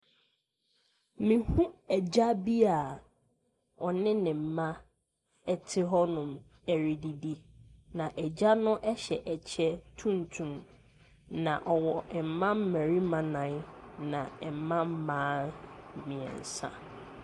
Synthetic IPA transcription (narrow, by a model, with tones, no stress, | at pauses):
mĩ˨hũ˦ɛ˨d͡ʑa˦bi˦a˨ | ɔ˨nɪ̃˦nɪ̃˨m̩˨mã˦ | ɛ˨tʰɪ˦ɦɔ˦nʊ̃˨m | ɛ˨ɾi˨di˨di˦nã˨ʔɛ˨d͡ʑa˦nʊ̃˦ʔɛ˦ɕɛ˨ʔɛ˨t͡ɕʰɛ˦tʰũ˦n˨tʰũ˨m | nã˨ʔɔ˨wɔ˨m̩˨mã˦mː˦æ̃˨ɾi˦mã˨nã˨˦nnã̰˨ɛ˨m̩˨mã˦m̩˦mãː˦˨mĩ˨ɛ̰̃˨n̩˨sã̰˦